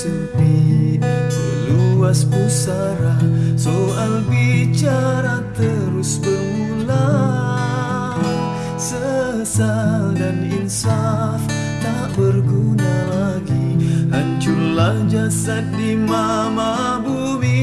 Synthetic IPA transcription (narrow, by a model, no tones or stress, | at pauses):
sə | pi | səəluaspusa | ɾasoʔalbit͡ʃaɾat̪əɾʊsbəmula | sə | saldaninsaf | taʔbərɡunalaɡihaɲt͡ʃulahd͡ʒasat̪̚dima | ma | bu | mi